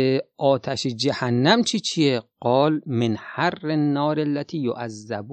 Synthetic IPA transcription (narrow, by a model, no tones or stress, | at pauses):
ʔɒːt̪ʰæʃed͡ʒæhænːæmt͡ʃʰit͡ʃʰieɡ̥ɒːlmenharːenːɒːɾelːæt̪ʰiːjo̰ʔazːæbu